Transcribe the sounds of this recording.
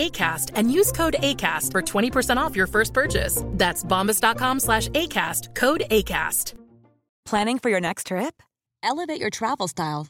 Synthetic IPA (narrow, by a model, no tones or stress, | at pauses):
eɪkʰæstɨ̃njʉz̥kʰoʊɾeɪkʰæstfə˞tʰw̥ɛ̃ɾ̃ipʰə˞sɛ̃ɾ̃tɔfjə˞fɜ˞st̚pʰɜ˞t͡ʃɪ̰sðætsbɑ̃mbɨsd̥ɑt̚kʰɑ̃mslæʃeɪkʰæstkʰoʊɾeɪkʰæ̰st | pʰl̥æ̃nɪ̃ŋfə˞jə˞nɛkstʰɹ̥ɪp̚ | ʔɛlˠəveɪt͡ʃə˞tʰɹ̥ævl̩ˠstaɪlˠ